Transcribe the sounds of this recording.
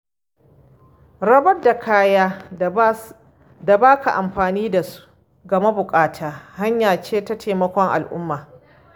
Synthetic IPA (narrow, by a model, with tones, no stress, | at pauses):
ɽɐ˦bɐ˦rda˨kʰaː˦jaː˦ | da˨baː˦ka˨ʔa˨mɸaː˨niː˦da˨su̥˦ | ɡɐ˨ma˦bʊ˨kʼaː˦tʰaː˨ha˦ɲjaː˨t͡ʃeː˦tɐ˦tʰeː˨mɐ˦kʷɔ˦ŋʔa̰˨lʔʊ̰˦mːaː˨